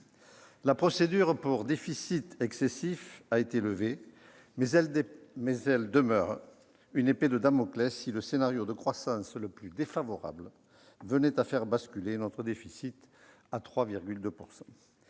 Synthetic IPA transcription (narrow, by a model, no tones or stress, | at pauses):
lapχɔsed̪yʁpuʁd̪efisit̪ɛksesifaet̪eləve | mɛzɛld̪əmœʁ | yneped̪əd̪amɔklɛsiləsenaʁjod̪əkχwasɑ̃sləplyd̪efavɔʁa̰blə | vənɛt̪afɛʁbaskʲylenɔt̪χəd̪efisit̪ | at̪χwaviʁɡʲyld̪øpuʁsɑ̃